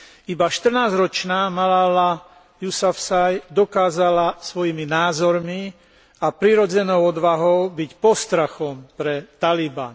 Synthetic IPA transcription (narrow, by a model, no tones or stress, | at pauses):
ibaʃt̪r̩naːzɾɔt͡ʃnaːmalala | jusafsajd̪ɔkaːzalasʋɔjiminaːzɔɾmi | apɾiɾɔd͡zɛnɔʊɔd̪ʋaɦɔʊbicpɔst̪ɾaxɔmpɾɛt̪aliba̰n